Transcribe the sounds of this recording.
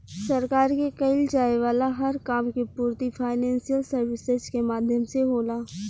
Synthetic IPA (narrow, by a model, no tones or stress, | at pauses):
sɐɾkaːɾkekɐɪld͡ʒaːeʋaːlaɦɐɾkaːmkepuːɾt̪ifʰaːɪnɛ̃ːnsijəlsɐɾʋɪsɪzkemaːd̪ʱjəmseɦoːlaː